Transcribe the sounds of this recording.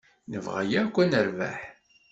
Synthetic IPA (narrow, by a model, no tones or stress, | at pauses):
nəvʁæ̰jakʷːænəɾva̰ħ